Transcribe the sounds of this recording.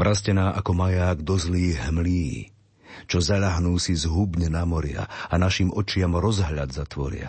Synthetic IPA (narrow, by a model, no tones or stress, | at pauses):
vɾʔascɛnaːʔakɔmajaːɡd̪ɔzliːɦmliː | t͡ʃɔzaʎaɦnuːsizɦubɲɛnamɔɾɪa̰anaʃimʔɔt͡ʃɪamɾɔzɦʎad̪zat̪ʋɔ̰ɾɪa̰